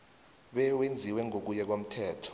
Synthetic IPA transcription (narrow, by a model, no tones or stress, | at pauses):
ɓɛwend͡zʱiwɛŋʱok̬ujɛk̬om̩tʰɛːtʰɔ̥